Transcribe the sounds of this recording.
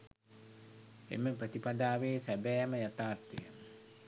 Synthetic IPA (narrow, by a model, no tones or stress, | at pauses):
ḛməprət̪ipad̪aːʋeːsæbɛjɛməjat̪aːrt̪ijə